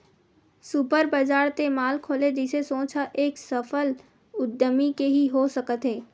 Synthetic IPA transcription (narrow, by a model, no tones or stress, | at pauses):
supəɾbəd͡ʒaːɾt̪emaːlkʰoːled͡ʒɪsesõːt͡ʃʰaʔeːksəfʰəl | ʊd̪ːəmikeɦiɦosəkət̪ɦeː